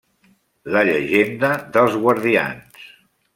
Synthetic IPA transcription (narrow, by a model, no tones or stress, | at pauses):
ləʎəʒend̪əðəlˠzɣwəɾðia̰ns